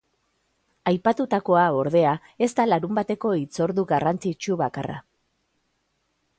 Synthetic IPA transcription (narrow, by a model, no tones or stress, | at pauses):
ajpat̪ut̪ako̞ao̞ɾð̞e̞a | e̞st̪alaɾumbat̪e̞ko̞it͡so̞ɾðuɣarant͡sit͡ʃuβakara̰